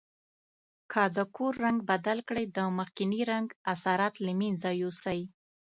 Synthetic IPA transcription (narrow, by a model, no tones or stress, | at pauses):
kʰəd̪əkʰoɾːaŋɡbad̪alkɽəjd̪əməxkɪniɾaŋɡasɑɾat̪ləminzɑjusaj